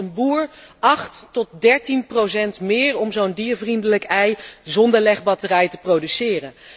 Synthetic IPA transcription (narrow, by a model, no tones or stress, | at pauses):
ənbuːɹɑχtːɔt̚dɛɹtinprowsɛntmɪːɹɔmzowndiəvrindələkɛjzɔndəɹlɛχbɑtərɛjtəprowdysɪːrən